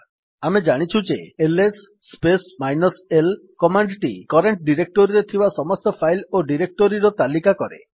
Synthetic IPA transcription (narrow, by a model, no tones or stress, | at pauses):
amed͡ʒaɽ̃it͡ʃʰud͡ʒeelesː | pesmajnɔselkɔmaɳɖʈḭkɔɾeɳʈ̚ɖiɾek̚ʈoɾiɾet̪ʰibasɔmɔst̪ɔpʰajloɖiɾek̚ʈoɾiɾɔt̪alikakɔɾḛ